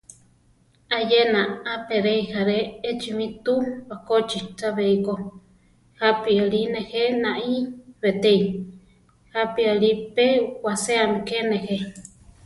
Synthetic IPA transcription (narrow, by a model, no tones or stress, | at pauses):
ajenaapeɾeihaɾeet͡ʃimĩt̪uβakot͡ʃit͡saβeiko | hapialinehenaʔiβet̪ei | hapialipewaseamikenehe